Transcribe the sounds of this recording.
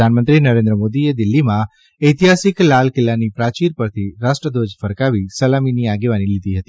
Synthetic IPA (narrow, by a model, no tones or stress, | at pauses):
anmənt̪ɾinəɾẽnd̪ɾəmod̪ied̪ɪlːimã | əjt̪iɦasɪklalkɪlːanipɾat͡ʃiɾpəɾt̪ʰiɾaʃʈɾəd̪od͡ʒfəɾkaʋisəlaminiaɡeʋanilid̪iɦət̪i